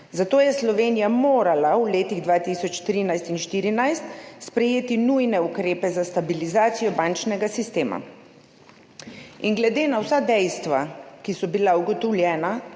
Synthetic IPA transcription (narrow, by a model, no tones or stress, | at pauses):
zat̪oːjɛslɔʋeːnijamoːɾalauleːt̪iɣd̪ʋaːt̪isɔt͡ʃt̪ɾiːnajst̪inʃt̪iːɾinajst̪spɾɛjeːt̪inujnɛukɾeːpɛzast̪abilizaːt̪sijɔbant͡ʃnɛɡasist̪eːma̰ | inɡlɛd̪eːnawsad̪ɛjst̪ʋakisɔbilauɡɔt̪ɔwljɛːna